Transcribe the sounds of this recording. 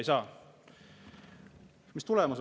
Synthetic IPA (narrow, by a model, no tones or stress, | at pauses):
jsɑː | mist̪ulɛmɑs